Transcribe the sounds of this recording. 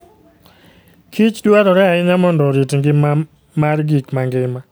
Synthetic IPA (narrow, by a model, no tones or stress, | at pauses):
kʰit͡ʃdwaɾɔɾɛaɪɲamɔndɔɾitŋɡɪ | marɡikmaŋɡɪma